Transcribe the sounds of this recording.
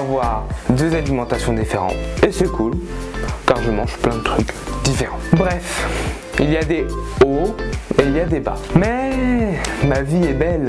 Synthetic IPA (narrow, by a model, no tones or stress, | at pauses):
avwaʁd̪øzalimɑ̃t̪asjɔ̃d̪ifeʁɑ̰̃t̪esɛkʰulkaʁʒəmɑ̃ʒplɛ̃d̪ət̪χykd̪ifeʁɑ̃bʁɛf | ilijad̪eoeiljad̪eba̰mɛ | maviɛbɛl